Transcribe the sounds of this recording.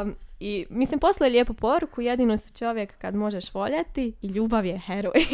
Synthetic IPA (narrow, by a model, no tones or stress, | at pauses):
imislimpo̞slaelʲjeːpupo̞ɾukujed̪inost͡ʃo̞ʋjekːad̪mo̞ʒeʃʋo̞ʎat̪iːʎuːbaʋjexeɾoj